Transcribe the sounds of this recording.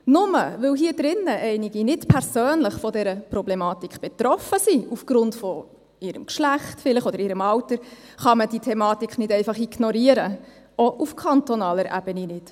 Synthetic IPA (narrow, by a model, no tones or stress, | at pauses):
nʊmə̰ʋɪwɦiːəd̥ɾɪnːəʔɛɪniɡinɪtpʰɛɾsøːnlɪχfɔdɛɾəpɾɔblemɑːtikχb̥ɛtɾɔfəsiufɡ̥ɾʊntfɔ | ɪɾəmkʃlæχtfɪlɪχɔdəɾɪɾəmɑwtəɾ | χɑməd̥itʰɛmɑːtikχnɪdɛɪfɑχiɡ̥nɔɾiəɾə | ɔʔufkʰɑntɔnɑːləɾʔæ̰b̥əninɪt